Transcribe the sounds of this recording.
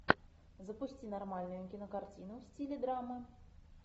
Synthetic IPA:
zɐpusʲt͡sʲinarmalʲnʊjʊkʲinɐkart͡sʲinuwsʲt͡sʲilʲɛd̪ɾamɨ

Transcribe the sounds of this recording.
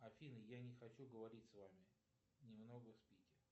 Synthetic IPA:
ɐfʲinɨjanʲɪxɐt͡ɕuɡəvɐɾʲitʲsvamʲɪ | nʲɪmno̞ɡəfspʲikʲɪr

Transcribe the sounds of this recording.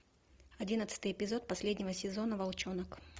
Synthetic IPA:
ɐdʲinət̪sɨ̥t̪ɨjɪpʲɪzo̞t̪̚pɐsʲlʲedʲnʲɪvəsʲɪzo̞nəvɐlˠt͡ɕonək

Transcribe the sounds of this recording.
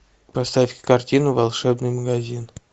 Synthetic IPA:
past̪afʲkʲɪ̥kartʲinʊvalˠʂɛbnɨjməɡazʲin

